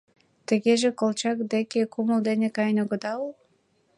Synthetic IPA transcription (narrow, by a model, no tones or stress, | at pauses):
t̪ə̆ɣeʒekolt͡ɕɑkd̪ekekuməld̪enekɑjnoɣəd̪ɑul